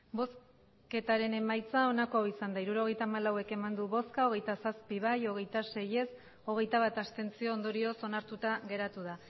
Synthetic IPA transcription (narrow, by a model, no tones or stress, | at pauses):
bo̞s | ke̞t̪aɾe̞ne̞majt͡sao̞nako̞awisand̪aiɾuɾo̞ɣ̞e̞jt̪aːmalawe̞ke̞mand̪uβo̞skao̞ɣ̞e̞jt̪asaspiβ̞ajo̞ɣ̞e̞jt̪ase̞je̞s | o̞ɣ̞e̞jt̪aβ̞at̪ast̪e̞nt͡sio̞ːnd̪o̞ɾio̞so̞naɾt̪ut̪aɣe̞ɾat̪uða